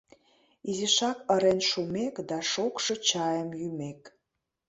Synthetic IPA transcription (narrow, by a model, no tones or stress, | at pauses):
iziʃɑkəɾenʃumekd̪ɑʃokʃɤ̆t͡ɕɑjəmjymek